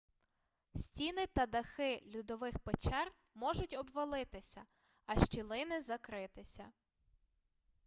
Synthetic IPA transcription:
sʲtʲinɪt̪ɐd̪ɐxɪlʲud̪ɔʋɪxpet͡ʃɛr | mɔʒʊtʲɔbʋɐlˠɪt̪ɪsʲɐ | ɐʃt͡ʃilˠɪnɪzɐkɾɪt̪ɪsʲɐ

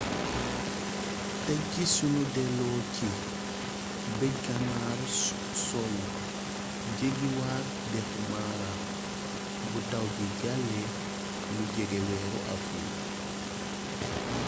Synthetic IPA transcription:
taɡːisunudɛlɔːkʰi | bɛɡamaɾ | sɔlɔ | d͡ʒeɡiwaɾ | dɛfmaːɾa | butawɡid͡ʒalːɛ | lud͡ʒɛɡɛwɛɾɔ̰ʔa̰fṵl

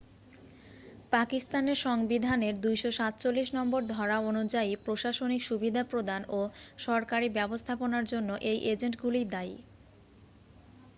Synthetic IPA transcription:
pakist̪aneɾʃɔŋbid̪ʱaneɾd̪ujʃoʃat̪t͡ɕolːiʃnɔmboɾd̪ʱɔɾaonud͡ʑaipɾoʃaʃonikʃubid̪ʱapɾod̪anoʃɔɾkaɾibɛbost̪ʰaponaɾd͡ʑonːoʔejʔed͡ʑeɳʈɡuliɾd̪aj

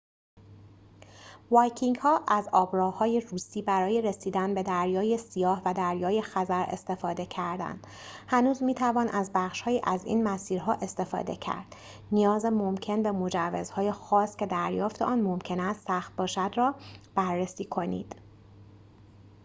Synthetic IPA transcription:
vɒːjcʰiŋɡhɒːʔæzɒːbɾɒːhɒːje̞ruːsiːbæɾɒːje̞ɾe̞siːd̪ænbe̞d̪æɾjɒːje̞sijɒːhvæd̪æɾjɒːje̞xæzæɾḛst̪e̞fɒːd̪e̞cʰæɾd̪æ̰nd̪̥ | hænuːzmiːt̪ʰævɒːnʔæzbæχʃhɒːjiːʔæzḭːnmæsiːɾɦɒːʔe̞st̪e̞fɒ̰ːd̪e̞cʰæ̰ɾd̪̥ | nijɒːzemo̞mcʰe̞nbe̞mo̞d͡ʒævːezhɒːje̞xɒːscʲe̞d̪æɾjɒːft̪eʔɒːnmomcʰe̞næst̪sæxt̪̚bɒːʃæd̪rɒːb̥æɾːesiːkʰo̞nḭːd̪̥

